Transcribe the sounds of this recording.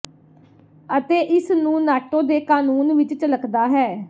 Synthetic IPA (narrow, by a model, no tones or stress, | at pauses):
ət̪eːʔɪsnũːnaːʈõːd̪eːkaːnuːnʋɪt͡ʃt͡ʃləkd̪aːɦɛː